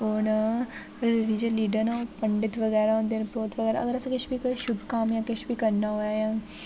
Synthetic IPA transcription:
oːn | ɾiːd͡ʒəlːiːɖəɾnapəɳɖɪt̪ʋəɡɛːɾaɦõːnd̪enpoːt̪ʋəɡɛːɾaɐ̰ɡəɾɐsãkɪt͡ʃʰbiːkoʃʊbkaːmjãːkɪt͡ʃbiːkəɾnaːoajãː

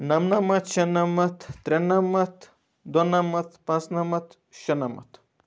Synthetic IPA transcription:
nɐmnɐmɐt̪ʃɐnɐmɐt̪ʰːɾʲenɐmɐt̪ʰ | d̪onɐmɐt̪ʰpɐ̃nsnɐmɐt̪ʰ | ʃɐnɐmɐ̰t̪ʰ

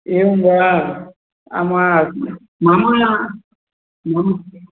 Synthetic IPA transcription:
eumbaa | a̰ma | mãma | mãma

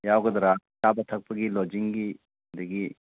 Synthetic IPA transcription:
jawɡɐd̪ɐɾat͡ʃabɐt̪ʰɐk̚pɐɡilɔd͡ʒiŋɡi | d̪eɡi

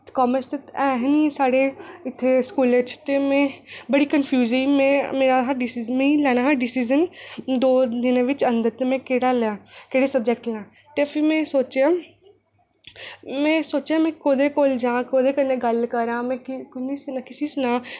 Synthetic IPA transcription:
kɔːməst̪eɛːɦniːsaːɽeːɪt̪ʰːeːskuːlet͡ʃt̪eːmɛ̃ːbəɽiːkənfʰjuːziːmɛ̃ːmeːɾaːɦəɖɪsizmɛ̃ːilɛːnaːɦɖɪsiːzənd̪oːd̪ɪnːʋɪt͡ʃə̃nd̪əɾt̪emɛ̃ːkeːɽaːlɛ̃ːkeːɽeːsəb̚d͡ʒɛk̚ʈnãː | t̪epʰɪɾmɛ̃ːsoːt͡ʃãː | mɛ̃ːsoːt͡ʃãːmɛ̃ːkoːd̪eːkoːld͡ʒãːkoːd̪eːkənːẽːɡəlkəɾãːmɛ̃ːkʊnisnakɪsiːsnãː

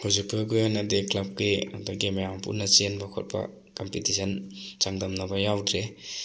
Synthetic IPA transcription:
hʰuzipɯɡujanɐdeklab̚kiɐduɡimajampṵnɐt͡ʃenbakʰɔ̰t̚bɐ̰ | kɐmpitisʰɐnt͡ʃaŋdɐmnɐbɐjawdɾe

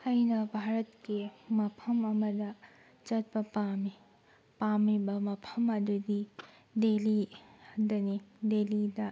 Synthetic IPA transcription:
ɐjnɐbʱaɾɐtkemɐpʰɐmɐmɐdɐ | t͡ʃɐt̚pɐpami | pamibɐmɐpʰɐmɐdudi | deliɐndɐnidelidɐ

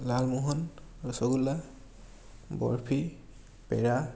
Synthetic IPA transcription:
lalmuɦɔn | ɹɔsɔɡula | bɔ̰ɹpʰi | pɛɹa

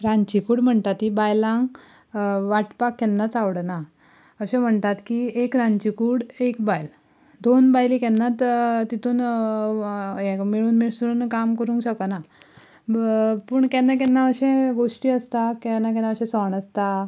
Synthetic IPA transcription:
ɾãɲt͡ɕikuːɽm̤əɳt̪at̪ibajlãŋɡ | ʋaʈpakːɛnːat͡saʋɽna | əɕẽm̤əɳt̪at̪kiekɾãɲt͡ɕikuːɽekbajl | d̪onbajlikɛnːat̪t̪it̪uːn | emiɭuːnmiɭsuuːnkamkəɾũŋkɕəkəna | pəɳkɛnːak̬ɛnːaəɕẽɡoʂʈiːəst̪akɛnak̬ɛnaəɕẽsəɳəst̪a

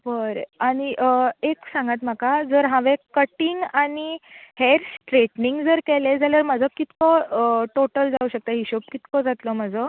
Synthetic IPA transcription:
bəɾaɽ̃iʔəeksãŋɡat̪m̤akad͡zəɾɦãʋẽkəʈiŋɡaniheɾsʈɾeʈniŋɡd͡zəɾkɛled͡zaləɾməd͡zʱɔkit̪kɔʈoʈəld͡zauɕək̚t̪aɦiɕop̚kit̪kɔd͡zat̪lɔməd͡zɔ

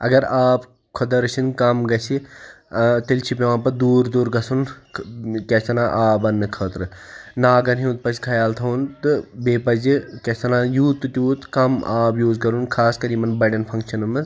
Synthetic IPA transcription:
ɐ̰ɡɐɾaːp | kʰod̪ɐɾɐt͡ʃʰinkɐmɡɐt͡ʃʰi | t̪ilt͡ʃʰipʲeʋãːpɐd̪uːɾd̪uːɾɡɐsʰun | kɐsɐnãʔaːbɐnːɨkʰəːt̪ɾɨnaːɡɐnɦiːt̪̚pɐskʰɐjaːlt̪ʰɐunt̪ɨbeːpɐd͡ʒikɐsɐnãːjuːt̪ːɨt̪ʲjuːt̪kɐmaːbjuːzkɐɾunkʰaːskɐɾimɐnbɐɖɐnpʰɐŋkʃɐnɨmɨ

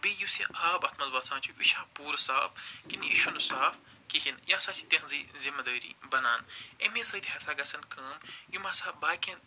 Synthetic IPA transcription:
bijusiʔaːbɐt̪ʰmɐzʋɐːsãːnt͡ʃʰuiʃaːpuːɾsaːfkiniiʃunusaːf | kiɦinjaːsaːt͡ʃʰi̥t̪ẽɦzizimɐd̪əːɾḭːbɐnaːnḛmẽsɐːt̪ɦɐsaːɡɐsɐnkɐːmjumaːsaːbaːkẽn

